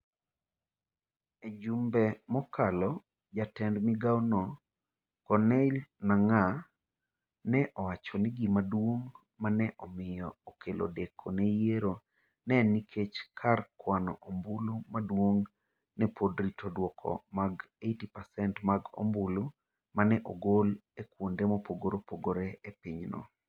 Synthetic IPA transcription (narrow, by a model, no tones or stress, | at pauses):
ed͡ʒumbɛmɔkalɔ | d͡ʒatɛndmiɡawnɔ | kɔnɛlnaŋa | nɛʔɔwat͡ʃɔniɡimadwoŋ | manɛʔɔmɪjɔokʰelʔo̰dekʰonɛjeɾo | nɛnikʰet͡ʃkʰarkwanɔ̰ʔombulumadwoŋ | nɛpʰodɾitʰodwɔkʰɔ̰maɡ | etipasɛntmaɡo̰mbulu | manɛʔoɡolekwondemopoɡoɾopoɡoɾɛepiɲnɔ̰